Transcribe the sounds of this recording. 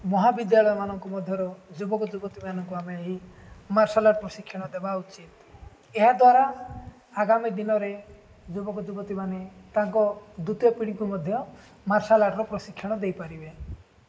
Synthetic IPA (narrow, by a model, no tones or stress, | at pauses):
mɔɦabid̪jaɭɔjɔmanɔŋkɔmɔd̪ʱjɔɾɔd͡ʒubɔkɔd͡ʒubɔt̪imanɔŋkuameɦi | maɾsalaɾpɾɔsikʰːjɔɽ̃ɔd̪ebaut͡ʃit̪ | eɦad̪waɾa | aɡamid̪inɔɾe | d͡ʒubɔkɔd͡ʒubɔt̪imanet̪aŋkɔd̪ut̪jɔpiɽ̃ikumɔd̪ʱjɔ | maɾsalaɾɾɔpɾɔsikʰːjɔɽ̃ɔd̪ejpaɾibe